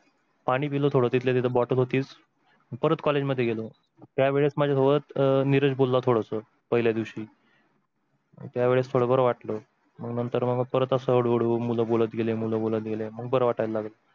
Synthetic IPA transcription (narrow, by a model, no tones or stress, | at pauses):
paɽ̃iːpilot̪ʰoɽət̪it̪ʰlet̪it̪ʰəbɔʈəlɦot̪iːt͡s | məɡpəɾət̪kɔled͡ʑməd̪ʱːjeɡelo | t̪jaʋeɭet͡smad͡ʑʱjat̪ʰoʋət̪niɾəd͡ʑbolːat̪ʰoɽəsə | pəɦiljad̪iʋɕiː | t̪jaʋeɭest̪ʰoɽəbəɾəʋaʈlo | məɡnənt̪əɾməɡpəɾət̪əsəɦəɽoɽuːmuləbolət̪ɡelemuləbolət̪̚ɡeleməɡbəɾəʋaʈajllaɡlə